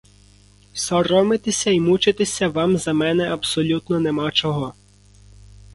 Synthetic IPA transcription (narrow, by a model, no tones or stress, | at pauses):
sɔɾɔmɪt̪esʲɐimut͡ʃɪt̪esʲɐʋɑmzɐmɛnɛɐbsɔlʲut̪nɔnemɑt͡ʃɔɦɔ